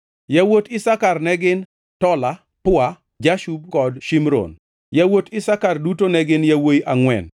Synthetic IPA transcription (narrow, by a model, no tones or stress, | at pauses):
jawotɪsakarnɛɡɪn | tɔla | pʊa | d͡ʒaʃub̚kɔdʃimɾo̰n | jawotɪsakardutonɛɡɪnjawojʔaŋwɛ̰n